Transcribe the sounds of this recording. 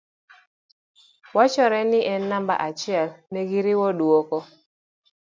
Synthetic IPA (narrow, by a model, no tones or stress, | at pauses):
wat͡ʃɔɾɛnɪʔɛnːamba̰ʔat͡ʃɪɛlneɡiɾiwɔduokɔ